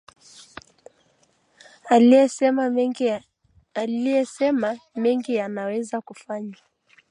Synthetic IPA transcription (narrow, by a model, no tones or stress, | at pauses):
aiɛɛ | alijɛsɛmamɛŋɡijanawɛzakufaɲa